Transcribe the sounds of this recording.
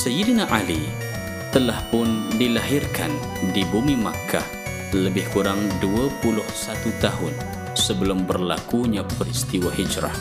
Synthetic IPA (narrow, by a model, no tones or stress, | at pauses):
səjidnaʔali | t̪əlahpʊndilaɦɪrkʰan | dibumima̰kʰːa̰ | ləbɪhkuɾaŋduapulʊhsat̪ut̪aɦʊn | səbəlʊmbərlakuɲãpəɾist̪iwahid͡ʒɾa̰h